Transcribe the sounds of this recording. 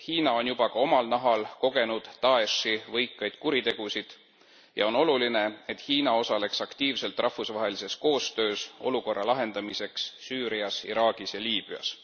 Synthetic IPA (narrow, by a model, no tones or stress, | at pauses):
hiːnɑo̞njub̥ɑkɑo̞mɑlnɑɦɑlko̞ɡ̥e̞nud̪̥t̪ɑeʂivɤjkːˑɑjd̪̥kuɾit̪e̞ɡ̥usid̪̥ | jɑ̰o̞no̞luline̞et̪hiːnɑo̞sɑle̞ksɑkt̪iːvse̞lt̪ˑrʔɑhfusvɑɦe̞lise̞sko̞ːst̪ø̞ːso̞̰luko̞rːɑlɑɦe̞nd̪ɑmise̞ksːyːɾiɑsḭɾɑːɡ̥isjɑlʲiːb̥yɑ̰s